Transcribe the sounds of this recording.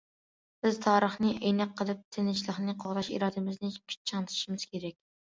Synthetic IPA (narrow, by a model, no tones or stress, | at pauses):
b̥ɪz̥t̪ʰɑːɾəχnɨʔejnɛqʰːəlˠɨp̚t̪ʰɪnɪt͡ʃlˠəχnɨqʰoʁd̪ɑʃḭɾɑːd̪ɪmɪznɪkʲʰy̥t͡ʃʰɑnt̪ʰɪ̥ʃimɪz̥kʲeɾɛk̚ʲ